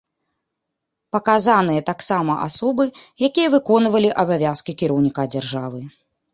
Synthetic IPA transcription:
pɐkazan̪ɨjɐt̪aksamɐʔasɔbɨjakʲijɐvɨkɔnvɐlʲiʔɐbavʲaskʲikʲiɾɐwnʲikad͡zʲarʐavɨ

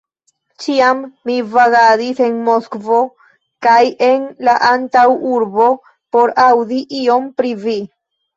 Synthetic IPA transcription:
t͡ʃiamːivaɡadise̞nmoskvo̞ | kajʔe̞nlaʔantawuɾbo̞ | po̞ɾawd̪iʔio̞mpɾivi

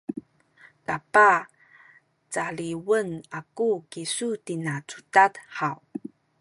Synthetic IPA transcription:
tapa | t͡saɭiwənakukisutinat͡sutadħaw

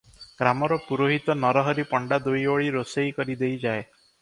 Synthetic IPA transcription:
ɡ̥ɾamɔɾɔpuɾoɦit̪ɔnɔɾɔɦɔɾipɔɳɖad̪ujoɭiɾosejkɔɾid̪ejd͡ʒae

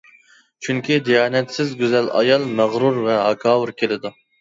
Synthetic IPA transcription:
t͡ʃʰyŋkʲʰid̪ijɑːnɛt̪sɪzɡʲyzɛlɑ̰jɑlˠmæʁɾuɾvɛɦɑkʰɑːwɨɾkʲʰelɪd̪u

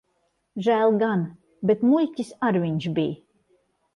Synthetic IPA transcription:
ʒæːlˠɡan | bet̪mulʲcʲisaɾvʲiɲʃbij

